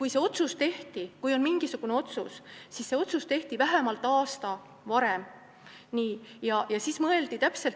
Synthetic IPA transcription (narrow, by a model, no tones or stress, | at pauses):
kujse̞o̞t̪sust̪e̞ht̪ikujo̞nmiŋɡ̥isuɡ̥une̞o̞t̪sussisse̞o̞t̪sust̪e̞ht̪ivæɦemɑlt̪ːˑɑːst̪ɑ | vɑɾem | niːjɑjɑsismɤe̞ld̪̥it̪æpse̞lt